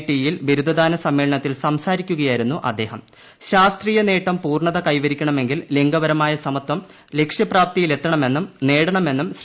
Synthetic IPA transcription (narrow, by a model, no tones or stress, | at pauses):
ʈːijilʋiɾud̪ʱɐd̪aːnɐsɐmːeːɭɐɳɐt̪ːilsɐmsaːɾikʲːuɣɐjaːjiɾunːuʔɐ̰d̪ːe̞ːhɐm | ɕaːst̪riːjɐne̞ːʈːɐmpuːrɳɐðɐkɐjʋɐɾikʲːɐɳɐme̞ŋɡilleŋɡɐʋɐɾɐmaːjɐsɐmɐt̪wɐm | le̞kʂjɐpraːp̚t̪ijile̞t̪ːɐɳɐmenːumneːɽɐɳɐme̞nːumɕ